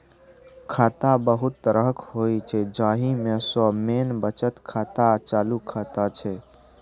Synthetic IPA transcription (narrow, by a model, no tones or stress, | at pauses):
kʰaːt̪abəɦut̪ːəɾəɦəkhoit͡ʃʰɛd͡ʒãɦimẽsɔmeːnbət͡ʃət̪kʰaːt̪at͡ʃaːlukʰaːt̪at͡ʃʰɛ